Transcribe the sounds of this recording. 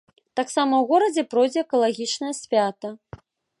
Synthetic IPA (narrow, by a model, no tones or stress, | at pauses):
t̪aksamɐwɣɔɾɐd͡zʲɛpɾɔjd͡zʲɛɛkɐlˠaɣʲit͡ʂnɐjɐsʲfʲat̪ɐ